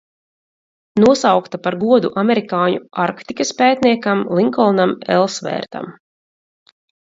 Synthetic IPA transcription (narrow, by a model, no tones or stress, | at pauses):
nuɔsawkt̪apaɾɡuɔd̪uʔamɛɾikaːɲuaɾkt̪ikaspɛːt̪niɛkamlˠiŋkɔlˠnamɛ̰lˠsvɛ̰ːɾt̪a̰m